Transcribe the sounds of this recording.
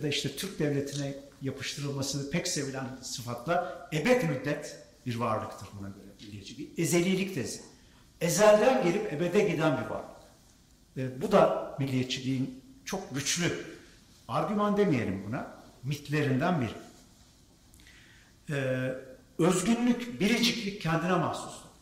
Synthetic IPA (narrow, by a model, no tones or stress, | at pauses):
jad̪aiʃt̪ʰɛt̪ʰyɾc̚d̪ɛvlʲe̞t̪ʰinɛjapʰɯ̥ʃt̪ʰɯɾɯlˠmasɯnɯpʰɛcse̞vilʲænsɯfat̪lˠaebɛt̪myd̪ːɛt̪ | biɾvaɾlˠɯkt̪ʰɯɾbunaɟøɾɛmilʲːijet͡ʃʰilʲiːeze̞lʲijlʲict̪ʰezi | ezælʲd̪ænɟelʲipe̞be̞d̪ɛɟid̪ænbiɾva̰ɾlˠɯkː | bud̪amilʲːijet͡ʃʰilʲiːint͡ʃʰo̞k̚ɟyt͡ʃlʲy | aɾɟymand̪e̞mije̞lʲimbunamit̪ʰlʲe̞ɾind̪ænbiɾi | ɛː | ø̞zɟynlʲycbiɾid͡ʒiclʲiccʰːɛnd̪inɛmahsu̥sˠed̪